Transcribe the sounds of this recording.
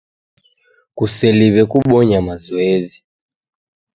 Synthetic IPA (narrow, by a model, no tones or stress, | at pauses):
kusɛliβɛkuɓɔɲamazɔɛzi